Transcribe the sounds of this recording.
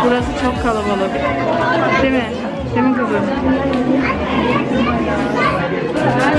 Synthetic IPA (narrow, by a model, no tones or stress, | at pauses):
buɾasɯt͡ʃʰokʰːalˠabalˠɯk | d̪̥emɪ | d̪̥emikɯzɯm